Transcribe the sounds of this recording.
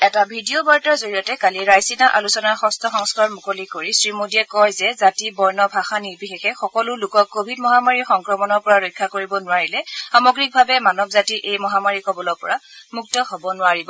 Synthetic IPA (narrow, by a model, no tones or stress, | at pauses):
ɛtabʱidiobaɹtɔɹzoɹijɔtɛkaliɹajsinaʔalusɔnaɹxɔstʰɔxɔŋskɔɹmukolikoɹisɹimodiɛkɔjzɛzatibɔjnɔbʱaxaniɹbixexɛxɔkɔlʊlʊkɔkːobʱidmɔɦamaɹixɔŋkɹɔmɔnɔɹpɔɹaɹɔjkʰːakoɹibɔnʊwaɹilɛxamɔɡɹik̚bʱabɛmanɔbzatiʔejmɔɦamaɹikɔbɔlɔpɔɹamuk̚tɔhɔbɔnʊwaɹibɔ